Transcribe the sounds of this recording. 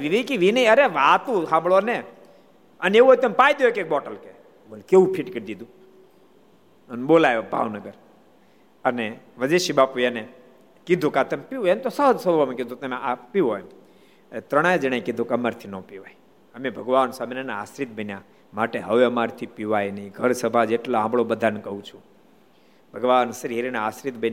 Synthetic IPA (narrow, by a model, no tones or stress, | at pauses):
ʋiʋikiʋinəiəɾeʋaːt̪ũɦãːmɭone | əneuɦoːjt̪empaːjd̪jokek̚ɓɔːʈəlke | boːlkeʋũpʰiʈkəd̪id̪ũ | ənɓoːlaːjobʱa̰ːʋnəɡəɾ | əneʋəd͡ʒeʃibaːpujene | kid̪ʱukat̪əmpiuemt̪osəd̪səlʋamẽkid̪ʱũt̪emeʔapioem | ənet̪ɾəɽ̃ajd͡ʒəɽ̃ajkid̪ʱukəmaɾt̪ʰinopiʋaj | əmebʱəɡʋansamenanaasɾit̪̚bənjã | maʈeɦəʋeəmaɾt̪ʰipiʋajniiɡʱəɾsəbʱad͡ʒeʈloãmbɭobəd̪ʱankəɦũt͡ʃʰũ | bʱəɡʋaːnsəɾieɾinaasɾit̪bən